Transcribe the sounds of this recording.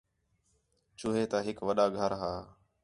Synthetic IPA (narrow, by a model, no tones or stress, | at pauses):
t͡ʃʊːɦeːt̪aːɦɪkʋəɗaːɡʱəɾɦaː